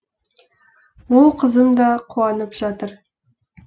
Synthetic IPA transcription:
wolˠqʰəzəmd̪ɑqʰuɑnəpʒ̥ɑt̪əɾ

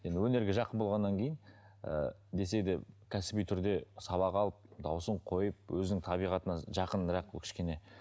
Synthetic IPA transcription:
je̞nd̪ɪwɵne̞ɾɡʲɪʒɑqənbo̞lˠʁɑnːɑŋkʲʰe̞jɪn | ə̰ | d̪e̞se̞d̪ɪkʲʰæsɪ̥bijt̪ʰʏɾd̪e̞sɑβɑqɑlˠəp̚d̪ɑwsəɴqʰo̞jəp̚wɵzɪnɪŋt̪ʰɑbijʁɑt̪ənɑʒɑqənɾɑqblˠkʲʰɪ̥ʃkʲe̞ne̞

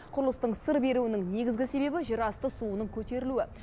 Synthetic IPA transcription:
qʰʊɾlˠəst̪əɴsəɾbe̞ɾuɪnɪŋne̞ɡʲɪzɡʲɪse̞be̞bɪʒəɾɑst̪əsuənəɴkʲʰɵt̪e̞ɾɪluɪ

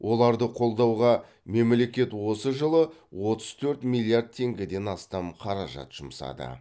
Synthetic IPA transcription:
wʔo̞lˠɑɾd̪əqʰo̞lˠd̪ɑwʁɑ | me̞mle̞kʲe̞t̪wo̞səʒəlˠəwo̞t̪əz̥t̪ʰɵɾt̪milˠijard̪̚t̪ʰːe̞ŋɡʲɪd̪e̞nɑst̪ɑmqʰɑɾɑʒɑ̰t̪ʒ̥ʊmsɑ̰d̪ə̰

